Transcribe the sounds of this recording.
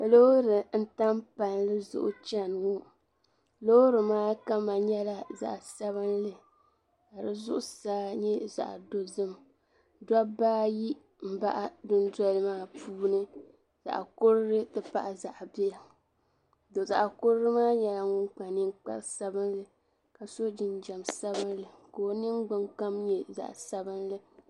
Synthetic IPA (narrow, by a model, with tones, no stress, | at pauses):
lo˦ɾɨ˨n̩˦ta˦mpa˨nlɨ˦zʊ̰˦ʔʊ̰˦t͡ʃa˦n˨ŋu˦ | lo˦ɾɨ˨maː˦ka˦ma˨ɲɛ˦la˦za̰˨ʔsa˦βɨ˦nlɨ˨ | ka˨ɾɨ˦zʊ˦ʔʊ˦saː˦ɲɛ˦za̰˨ʔdo˨zɨ˦m | da˦baː˦ji˦ | m̩˦ba̰˦ʔa˦dʊ˦n˦dɔ˦lɨ˦maː˦pʰuː˦nɨ˦ | za̰˨ʔkʊ˦ɾɨ˦ɾɨ˦tɨ˦pa˦ʔa˨za˨ʔbi˦a˨ | do˨za̰˨ʔkʊ˦ɾɾɨ˦maː˦ɲɛ˦la˨ŋʊ˦nk͡pa˨nɨ˦ŋk͡pa̰˦ɾsa˦bɨ˦nlɨ˨ | ka˨so˦d͡ʒɪ˨nd͡ʒɛ˨msa˦bɨ˦nlɨ˨koː˨nɨ˦ŋɡ͡bɨ˦ŋka˦mɲɛ˦za̰˨ʔsa˦bɨ˦n˦lɨ˦